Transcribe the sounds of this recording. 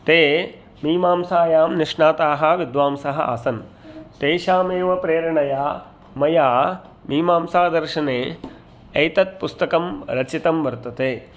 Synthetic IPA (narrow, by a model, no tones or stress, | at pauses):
t̪eː | miːmaːmsaːjaːmniʂɳaːt̪aːɦɐ̆ʋid̪ʋaːmsɐɦɐa̰ːsɐn | t̪eːʃaːmeːʋɐpɾeːɾɐɳɐjaː | mɐjaː | miːmaːmsaːd̪ɐɾʃɐneː | ɐjt̪ɐt̪̚pust̪ɐkɐmɾɐt͡ʃit̪ɐmʋɐɾt̪ɐt̪eː